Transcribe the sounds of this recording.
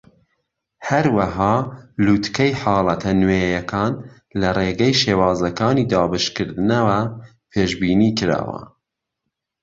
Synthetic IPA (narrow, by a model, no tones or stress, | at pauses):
hɐɾwɐɦɑːluːt̪kɛjħɑːlˠɐt̪ʰɐnweːjɐkʰɑːn | lɐreɡɛjʃeːwɑːzɐkɑːniːd̪ɑːbɨʃkɨɾd̪ɨnɐwɐ | pʰeːʃbiːniːkɨɾɑ̰ːwɐ̰